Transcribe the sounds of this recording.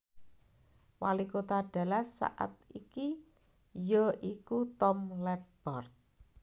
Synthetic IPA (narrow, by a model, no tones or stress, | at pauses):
walikot̪aɖ̥a̤lasːa̰ʔa̰t̪̚iki | jəʔikut̪ɔmlɛb̥ɔrt̪̚